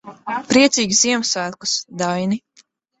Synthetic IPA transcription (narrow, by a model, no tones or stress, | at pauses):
pɾiɛt̪siːɡʲsziɛmsvæːlku̥sd̪ajni